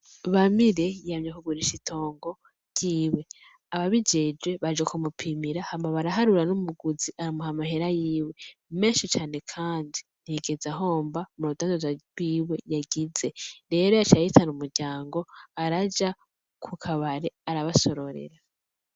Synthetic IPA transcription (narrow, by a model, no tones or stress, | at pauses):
βamiɾe̞jamɲakuɡuɾiʃitʰo̞ːŋɡo̞ | ɟ̥iːwe̞ | aβaβid͡ʒed͡ʒwe̞βad͡ʒwekumupʰimiɾahamaβaɾaɦaɾuɾanumuɡuziʔaɾamuhamahe̞ɾajiːwe̞me̞ːnʃit͡ʃaːne̞kʰaːndin̥ieɡe̞zaɦo̞ːmbamuɾudaːndazawiːwe̞jaɡize̞ɾe̞ːɾo̞jat͡ʃajitanumuɾɟaːŋɡo̞aɾad͡ʒa | kʰukʰaβaɾe̞aɾaβaso̞ɾo̞ɾḛɾa